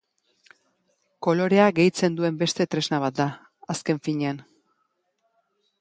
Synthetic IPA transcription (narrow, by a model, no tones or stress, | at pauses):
ko̞lo̞ɾe̞aɡe̞jt͡se̞nd̪ue̞mbe̞st̪e̞t̪ɾe̞znaβ̞at̪̚d̪a | aske̞ɱfiɲe̞an